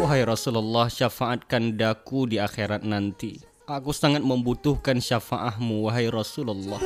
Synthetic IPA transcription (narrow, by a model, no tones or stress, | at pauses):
waɦajɾɔsulalːɔhʃafaʔat̪̚kandakudiaxeɾat̪̚nant̪i | ʔakusaŋat̪̚məmbut̪ʊhkanʃafaʔaɦmuwaɦajrɔsulalːɔh